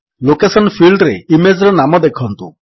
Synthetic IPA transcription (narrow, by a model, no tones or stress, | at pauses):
lokesɔnpʰilɖɾeimed͡ʒɾɔnamɔd̪ekʰɔnt̪ṵ